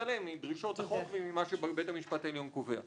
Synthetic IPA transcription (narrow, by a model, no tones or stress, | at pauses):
alemidʁiʃo̞t̪aχokvimimaʃebbetamiʃpateljonkovea̰